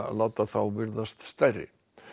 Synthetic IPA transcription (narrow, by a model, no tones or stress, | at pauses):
lawt̪aθawvɪɾðast̪st̪ajrɪ̰